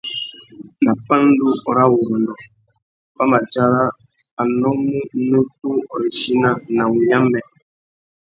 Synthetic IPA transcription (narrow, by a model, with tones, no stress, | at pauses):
na˨pã˦n˦du˦ɔ˨ɾa˦wu˨ɾo˨nɔ˨ | pa˦ma˨d͡ʒa˦ɾa˦ | a˨nɔ˦mu˦nə˦ku˦ɔ˨ɾi˨ʃi˦na˦na˨wu˨ja˦mbɛ˨